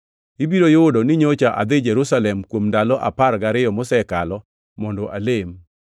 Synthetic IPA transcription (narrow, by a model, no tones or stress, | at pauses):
ɪbiɾojoodonɪɲot͡ʃaʔa̰d̪ɪd͡ʒɛɾusalɛmkwomndalɔʔa̰paɾɡaɾɪjɔmɔsɛkalɔ | mɔndɔʔalem